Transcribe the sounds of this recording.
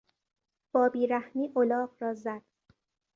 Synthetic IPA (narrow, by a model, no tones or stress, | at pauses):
b̥ɒːbiːɾæhmiːʔolɒːqɾɒːzæd̪̥